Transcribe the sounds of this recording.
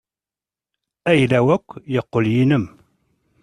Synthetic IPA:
æjlæwækʷːjəqːoljinəm

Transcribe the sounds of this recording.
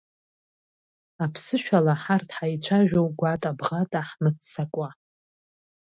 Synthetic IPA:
apʰsɨʃᶣalaħartʰħajt͡ɕʷʰaʒᶣowɡʷatʼabʁatʼaħmɨtsakʷʼa

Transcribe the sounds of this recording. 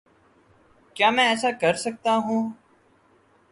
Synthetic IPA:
kjaːmɛ̃ːɛːsaːkəɾsək̚t̪aːɦũː

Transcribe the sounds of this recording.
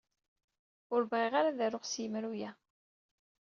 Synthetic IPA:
ʊɾbʁiʁaɾaðæɾoχsjəmɾujæ

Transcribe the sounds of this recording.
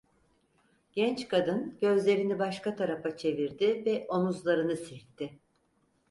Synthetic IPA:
ɟ̥ɛnt͡ʃkʰad̪ɯnɟ̥ø̞zlʲe̞ɾinibaʃkat̪ʰaɾafat͡ʃʰe̞viɾd̪ɪvɛʔo̞muzlˠaɾɯnɯsiɾt̪ʰːɪ

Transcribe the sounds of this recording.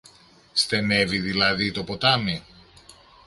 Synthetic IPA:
st̪e̞ne̞viðilɐðit̪o̞pot̪ɐmi

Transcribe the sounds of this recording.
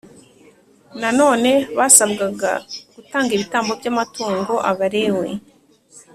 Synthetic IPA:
nano̞ːne̞βasabɡaɡa̰ɡ̥utaːŋɡiβitaːmbo̞bɟamatuːŋɡo̞ʔaβaɾe̞we̞

